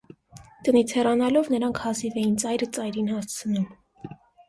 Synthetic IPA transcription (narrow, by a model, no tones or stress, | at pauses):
t̪ənit͡sʰhɛrɑnɑlɔvnəɾɑŋkʰhɑzivɛjint͡sɑjɾət͡sɑjɾinhɑst͡sʰənum